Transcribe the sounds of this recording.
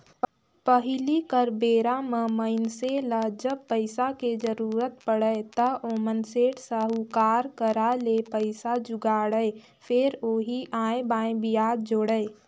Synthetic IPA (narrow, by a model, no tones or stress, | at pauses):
pəɦɪlikəɾbeːɾaməməɪnseləd͡ʒəb̚pəɪsaked͡ʒəɾuːɾət̪̚pəɽəet̪əoːmənseːʈsəɦukaːɾkəɾalepəɪsad͡ʒʊɡaːɽəe | fʰɪɾoːɦiʔãːẽbãːẽbijaːd̪̚d͡ʒoːɽəe